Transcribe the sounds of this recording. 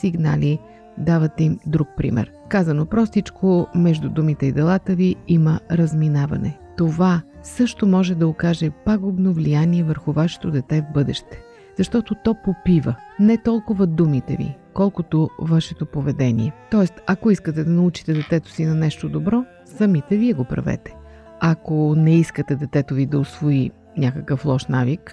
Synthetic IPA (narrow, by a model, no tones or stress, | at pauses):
siɡna̰li | d̪avɐt̪ɛimd̪ɾuk̚pɾḭmɛ̰ɾ | kazɐnopɾɔst̪it͡ʃkʰomɛʒd̪ud̪umit̪ɛid̪ɛlˠat̪əviiməɾɐzminavɐ̰nɛ̰t̪ovasɤʃt̪omɔʒɛd̪ɐokaʒɛpaɡʊbnovlijaniɛvəɾxʊvaʃɛ̥t̪od̪ɛt̪ɛvbɤd̪ɛʃt̪ɛ̥ | z̥ɐʃt̪ɔt̪ot̪ɔpopivə | nɛt̪ɔlˠkʊvɐd̪umit̪ɛ̰vḭkɔlˠkot̪ovaʃɛt̪opovɛd̪ɛnḭɛt̪ɔɛst̪ɐkoiskət̪ɛd̪ɐnɐut͡ʃi̥t̪ɛd̪ɛt̪ɛt̪o̥sinɐnɛʃt̪od̪obɾɔ | sɐmit̪ɛviɛɡopɾɐ̰vɛ̰t̪ɛ̥ | ɐkonɛiskət̪ɛd̪ɛt̪ɛt̪ovid̪ɐosvoi | nʲakəkəflˠɔʃnavik